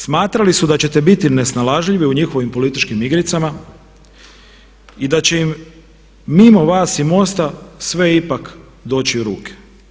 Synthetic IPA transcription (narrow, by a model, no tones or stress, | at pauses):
smaːt̪ɾalisud̪at͡ɕe̞t̪ebit̪ine̞snalaʒʎiʋiuɲixo̞ʋimpo̞lit̪it͡ʃkimiɡɾit̪sama | id̪at͡ɕe̞imː | imo̞ʋaːsimo̞st̪asʋe̞ipak | d̪o̞ːt͡ɕiuɾuːkʰe̥